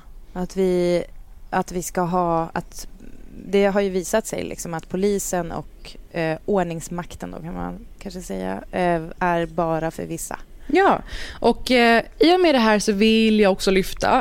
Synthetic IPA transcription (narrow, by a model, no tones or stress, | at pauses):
at̪vɪ | at̪vɪskaɦɑːat̪ | d̪ɛɦaɾjɵviːsat̪sɛ̰jlʔɪ̰ksɔmat̪pʰʊliːsənɔ̰k | oːɳɪŋsmakt̪ənd̪o̰ːkʰanma̰nkʰanʂəsɛjːa̰æɾbɑːɾafœ̰ɾvɪsːa̰ | jɑːʔɔkiːɔmɛd̪ɛɦæːɾʂɔvɪljɑːɡɔksɔlʏft̪ʰa̰